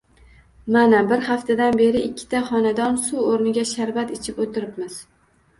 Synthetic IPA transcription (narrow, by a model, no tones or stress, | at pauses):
manabɪɾhaft̪ʰad̪anbe̞ɾɪʔɪkʲʰːɪ̥t̪ʰaχɒnad̪ɒnsuoɾnɪɡʲaʃaɾvat̪ɪt͡ʃʰɪpot̪ʰɪɾɪpmɪz̥